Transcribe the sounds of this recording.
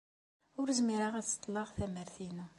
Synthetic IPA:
ʊɾzmiɾəʁæt͡sːt̪ˤːlːɑʁθæməɾθinu

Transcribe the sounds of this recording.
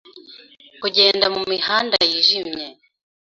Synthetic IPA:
kuɟe̞ːndamumihaːnda̰jiʒimɲe̞

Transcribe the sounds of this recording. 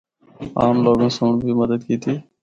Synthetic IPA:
aːmlɔɡonsoɳbʱiməd̪əd̪̚kit̪i

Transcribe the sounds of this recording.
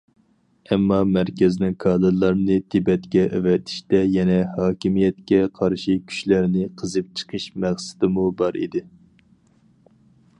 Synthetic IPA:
ɛmːɑmæɾkʲɛzɪnɪŋkʰɑːd̪ɨlˠɑɾnɨt̪ʰɪbɛt̪kʲɛʔevɛt̪ʰi̥ʃt̪ɛjɛnɛhɑːkʲimijɛt̪̚kʲɛqʰɑɾʃikʲʰy̥ʃlæɾnɪqʰəzɨp̚t͡ʃʰə̥qʰəʃmæχsɪ̥d̪ɪmubɑɾḭd̪ɪ

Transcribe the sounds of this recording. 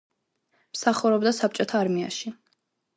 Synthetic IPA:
msaχuɾɔbd̪asap̚t͡ʃʼɔt̪ʰaːɾmia̰ʃi

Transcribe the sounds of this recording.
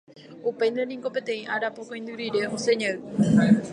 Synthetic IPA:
upejnd̪enĩŋko̞pe̞t̪ẽĩʔaɾapokõĩnd̪ɨɾiɾe̞oseɲeɨ

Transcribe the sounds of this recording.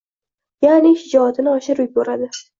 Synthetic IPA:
janɪʃɪd͡ʒɒt̪ʰɪnɪɒʃɪɾʊjboɾad̪ɪ

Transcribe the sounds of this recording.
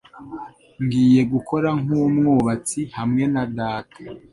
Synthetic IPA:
ŋɡiːje̞ɡukʰo̞ɾaŋumŋoːβat͡sihamŋe̞nadaːtḁ

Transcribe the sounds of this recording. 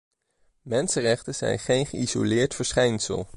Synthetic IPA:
mɛnsərɛχtəz̥ɛ̰jnχejnχəizo̰lɪːɹtfəɹsχɛjnsə̰lˠ

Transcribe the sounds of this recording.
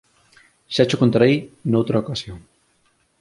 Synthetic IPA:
ʃat͡ʃokont̪aɾejnowt̪ɾaokasjoŋ

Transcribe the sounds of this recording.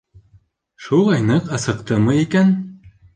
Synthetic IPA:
ʃulˠɑjnɤqɑsɤ̆qt̪ɤmɤikæn

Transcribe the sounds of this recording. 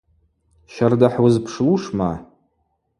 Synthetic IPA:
ʃardaħwazpʰʂluʂma

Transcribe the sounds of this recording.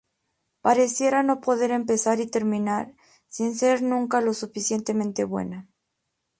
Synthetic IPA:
paɾe̞sje̞ɾano̞po̞ðe̞ɾe̞mpe̞saɾit̪e̞ɾmĩnaɾ | sinse̞ɾnũŋkalo̞sufisje̞nt̪e̞mẽnt̪e̞βwe̞̰na

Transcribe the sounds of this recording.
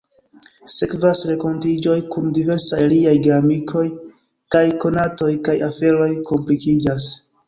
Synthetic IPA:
se̞kvasɾe̞ko̞ntid͡ʒo̞jkundive̞ɾsajliajɡeamikʰo̞j | kajko̞nato̞jkajafe̞ɾo̞jko̞mplikid͡ʒas

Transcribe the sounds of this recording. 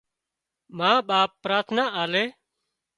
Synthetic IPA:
mãːɓaːpːɾaːɾt̪ʰnaːʔaːleː

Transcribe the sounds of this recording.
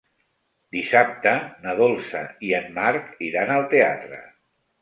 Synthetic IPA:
d̪isap̚t̪ənəðolˠsə̰iəmmaɾkiɾanəlˠt̪eat̪ɾə̰

